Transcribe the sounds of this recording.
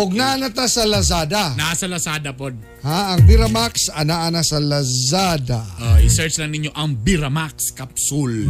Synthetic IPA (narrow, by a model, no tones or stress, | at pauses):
ʔoɡ̚naʔɐnɐt̪asɐlɐs̬aːd̪anasɐlɐsaːd̪ɐpod̪̚ | haɐŋbɪɾɐmaksɐnaʔɐnasɐlɐsad̪aʔoɪsɛɹt͡ʃlɐŋnɪɲːoʔɐŋbiɾɐmakskɐpsul